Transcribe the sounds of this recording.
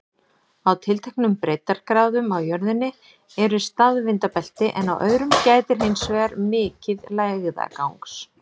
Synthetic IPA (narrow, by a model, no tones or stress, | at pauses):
awt̪ʰɪlt̪ʰɛhknʏmpɾejt̪aɾ̥kɾaːwðʏmawjœɾðɪnːɪ | ɛɾʏst̪aðvɪnt̪apɛl̥t̪ɪʔɛna̰wʔœːɥɾʏmcaːjt̪ɪɾ̥ɦejnsvɛɣaɾmɪːcɪðlaːjɣða̰kawŋks